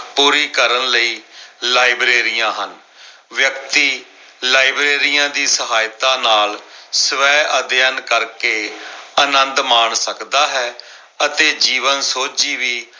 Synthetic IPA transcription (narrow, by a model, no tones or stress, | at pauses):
puːɾiːkəɾənləiːlaːɪbɾeːɾijãːɦən | ʋjəkt̪iː | laːibɾeːɾijãːd̪iːsəɦaːjt̪ãːnaːlsəʋɛːʔəd̪jənkəɾkeːənə̃nd̪maːɳsəkd̪aːɦɛː | ət̪eːd͡ʒiːʋənsoːt͡ʃiːʋiː